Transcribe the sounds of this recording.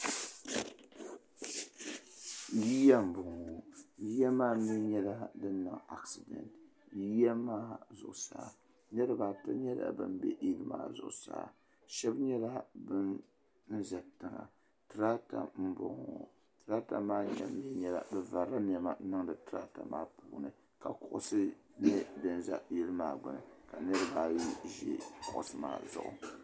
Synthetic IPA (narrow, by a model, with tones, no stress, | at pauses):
ji˦ja˦m̩˨bʊ˨ŋ˨ji˦ja˦maː˦mi˦ɲɛ˦la˦dɨ˦nɨ̰˨ŋa˨ksi˨dɛ̰˨ntji˦a˦maː˦zʊ˨ʔʊ˨saː˨ | ɲɛ˦ɾɨ˨ba˨tɨ˦ɲɛ˦la̰˨bɨ̰˦mbɛ̰˦ʔi˦lɨ˦ma̰ː˦zʊ̰˨ʔʊ˨sa̰ː˨˦˨ | ʃɛ˦bɲɛ˦la˦bɨ˦n | n̩˦za˨tɨ˨ŋa̰˨ | tɨ˨ɾa˦ta̰˨m̩˦bɔ̰˨ŋɔ˨ | tɨ˨ɾa˦ta˨maː˦ɲɛ̰˨˦mi˦ɲɛ˦la̰˨bɛ˦va˨ɾa˦m˦ɛ˨ma˦nɨ˦ŋdɨ˨tɨ˦ɾa˦ta̰˨maː˦puː˨nɨ˨ | ka˨kʊ˨ʔʊ˦sɨ˦nɨ˦dɨ˦n˦za̰˨ji˦lɨ˦maː˦˨ɡ͡bʊ˨nɨ˨ka˨nɛ˦ɾɨ˦baː˦˨˦ʒɛ̰˦kʊ˦˨ʔʊ̰˨sɨ˦ma̰ː˨zʊ̰˨ʔʊ̰˨